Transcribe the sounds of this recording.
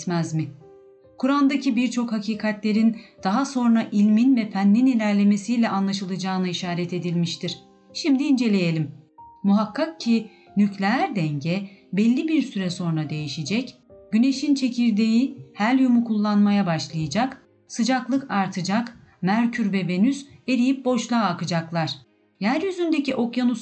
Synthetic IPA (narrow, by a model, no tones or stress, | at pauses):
t̪mæzmɪ | kʰuɾand̪acibiɾt͡ʃʰo̞khacʰiːkʰat̪lʲe̞ɾind̪̥aɦaso̞nɾaʔilʲminvɛfænːinilʲæɾlʲe̞me̞sijlʲɛʔanlˠaʃɯlˠɯd͡ʒaːnɯiʃaːɾɛt̪e̞d̪ilʲmiʃt̪ʰiɾ̥ | ʃimd̪iːnd͡ʒe̞lʲejelʲimːuɦakːak̚cʰi | nyclʲeæɾd̪ɛɲɟɛbɛlʲːibiɾsyɾɛso̞nɾad̪e̞jiʃid͡ʒɛc | ɟ̥yne̞ʃint͡ʃʰe̞cʰiɾd̪ejihælʲjumukʰulˠːanmajabaʃlˠajɯd͡ʒak | sɯd͡ʒaklˠɯkaɾt̪ʰɯd͡ʒak | mæɾcʰyɾbɛbe̞nyse̞ɾijip̚bo̞ʃlˠaːkɯd͡ʒaklˠaɾ̥ | jæɾjyzynd̪e̞ciʔo̞kjanus